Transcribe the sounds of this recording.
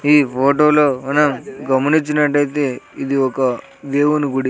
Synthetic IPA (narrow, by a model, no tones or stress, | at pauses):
iːpʰoːʈoːloːmɐnɐmɡɐmɐnit͡ʃːinɐʈːɐjit̪e̞ːid̪iɔkɐ | ʋeːʋunuɡuɽi